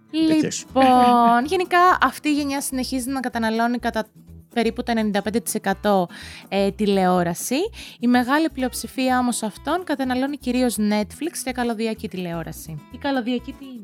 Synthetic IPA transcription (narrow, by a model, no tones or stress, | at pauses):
lliponʝe̞nikɐʔɐft̪iːʝeɲɐsine̞çizinɐkɐt̪ɐnɐlo̞nikɐt̪ɐ | pe̞ɾiput̪o̞e̞nenind̪ɐpend̪et̪i̥se̞kɐt̪o̞et̪ile̞o̞ɾɐsiime̞ɣɐliplio̞psifiɐo̞mo̞sɐft̪o̞nkɐt̪ɐnɐlo̞niciɾio̞zne̞t̪flikscekɐlo̞ðiɐcit̪ile̞o̞ɾɐsiikɐloðiɐcit̪in